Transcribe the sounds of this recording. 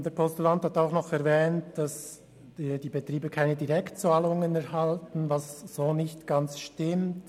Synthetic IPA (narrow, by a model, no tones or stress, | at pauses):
d̥eːɐpʰɔstulanthataʊxnɔχɛɾvɛːntd̥as | d̥iːbetʁ̥iːbəkʰaɪnədiʁɛktt͡saːlʊŋənɛɾɦaltn̩vɑsz̥oːnɪçtɡ̥ant͡sʃtɪmt